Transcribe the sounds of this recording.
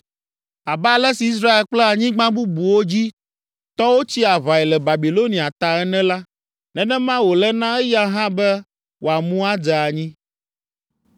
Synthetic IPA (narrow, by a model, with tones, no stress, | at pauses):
a˨ba˦˨lɛ˦si˨i˦s̬ɾa˦e˨lk͡plɛ˦a˨ɲĩ˦ɡ͡bã˦bu˦bu˨wo˦d͡ʑi˦ | t̪ɔ˦wo˦t͡ɕi˦a˨βa˨ɛ˨lɛ˨ba˨bi˨lo˦nĩ˨a˨t̪a˨ɛ˦nɛ̃˦la˦ | nɛ̃˨nɛ̃˦mã˦wo˨lɛ˦nã˦ɛ˦ja˦ɦã˦bɛ˦ | wʔo˨a˨mũ˦a˦d͡zɛ˨a˨ɲĩ˦